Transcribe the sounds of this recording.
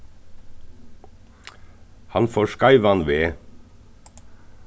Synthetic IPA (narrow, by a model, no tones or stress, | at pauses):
hɑnfoːʃkɑɪʋɑnʋeː